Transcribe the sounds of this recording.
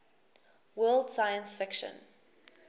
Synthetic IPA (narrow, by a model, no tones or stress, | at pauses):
wɜːlˠd̥sajə̃nsfɪkʃə̰̃n